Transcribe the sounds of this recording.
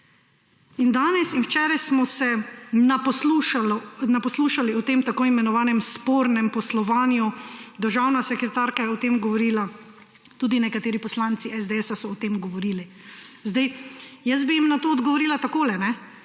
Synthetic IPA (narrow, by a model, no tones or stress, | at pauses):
ind̪aːnɛsinwt͡ʃɛːɾajsmɔsɛnapɔsluʃalɔnapɔsluːʃaliɔt̪eːmt̪akoːimɛnɔʋaːnɛmspoːɾnɛmpɔslɔʋaːnjud̪əɾʒawnasɛkɾɛt̪aːɾkajɛɔt̪eːmɡɔʋɔɾiːla | t̪uːd̪inɛkat̪eːɾipɔslaːnt̪siʔɛzd̪eɛːsasɔːt̪eːmɡɔʋɔɾiːli | zd̪ajjəs̬bijimnat̪oːd̪ɡɔʋɔɾiːlat̪akoːlɛnɛ